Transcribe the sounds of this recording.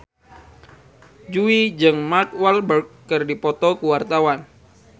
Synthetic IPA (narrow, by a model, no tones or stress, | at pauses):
d͡ʒuid͡ʒɨŋmarkwalbərkːɨrdipɔt̪ɔkuwart̪awan